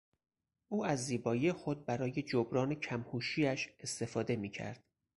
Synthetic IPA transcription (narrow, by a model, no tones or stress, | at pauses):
ʔuːæzːiːbɒːjiːexo̞d̪̚bæɾɒːje̞d͡ʒobɾɒːnecʰæmhuːʃiːæʃe̞st̪e̞fɒːd̪e̞miːcʰæ̰ɾd̪̥